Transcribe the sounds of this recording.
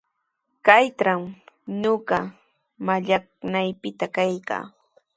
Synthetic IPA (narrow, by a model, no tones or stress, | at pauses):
kajtɾamɲoɢɑ | maʎaknajpɪt̪akajka̰ː